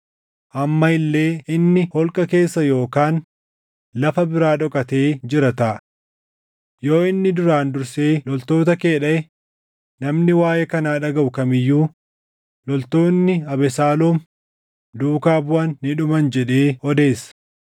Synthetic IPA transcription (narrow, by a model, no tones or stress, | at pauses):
ʔɐmːɐɪlːe̞ːɪnːɪhɔlkʼɐke̞ːsːɐjo̞ːkaːn | lɐfɐbɪɾaːᶑɔkʼɐt̪e̞ːd͡ʒɪɾɐt̪aː | jo̞ːɪnːɪd̪ʊɾaːnd̪ʊɾseːlɔlt̪o̞ːt̪ɐke̞ːᶑɐɛ | nɐmnɪwaːjɛkɐnaːᶑɐɡɐʔʊkɐmɪjːuː | lɔlt̪o̞ːnːɪɐbɛsaːlɔːm | d̪uːkaːbʊɐnːɪᶑʊmɐnd͡ʒɛᶑe̞ːɔd̪e̞ːsːɐ̥